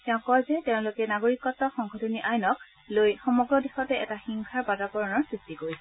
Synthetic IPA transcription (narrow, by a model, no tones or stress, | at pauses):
tɛʊ̃kɔjzɛtẽʊ̃lʊkɛnaɡoɹikɔtːɔxɔŋxɔtʰɔniʔajnɔk̚ | lojxɔmɔɡɹɔdexɔtɛʔɛtaxiŋkʰaɹbadɔkɔɹɔnɔɹsɹistikoɹisɛ